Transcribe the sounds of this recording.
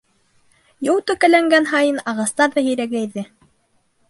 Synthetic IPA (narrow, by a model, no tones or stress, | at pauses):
jolˠt̪ɵkælæŋɡænɦɑjɤnɑʁɑst̪ɑɾðɑɦɵ̆jɾæɡæjðɘ